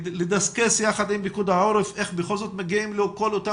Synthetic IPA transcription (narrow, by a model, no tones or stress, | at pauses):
led̪askesjaχad̪imbikud̪aoɾefʔeχbexo̞lzo̞t̪meɡiimlokolot̪a